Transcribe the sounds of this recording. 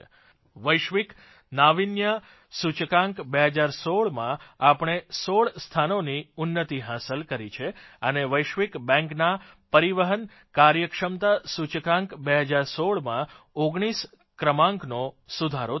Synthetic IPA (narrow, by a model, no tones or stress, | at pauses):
ʋəjʃʋik | naʋinjə | sut͡ʃəkãŋkbeɦəd͡ʒaɾsoɭmã̰apɽ̃esoɭst̪ʰanoniʊnːət̪iɦasəlkəɾit͡ʃʰeəneʋəjʃʋikbɛ̃ŋkna | pəɾiʋəɦən | kaɾjəkʂəmt̪asut͡ʃəkãŋkbeɦəd͡ʒaɾsoɭmã | oɡɽ̃is | kɾəmãŋknosud̪ʱaɾo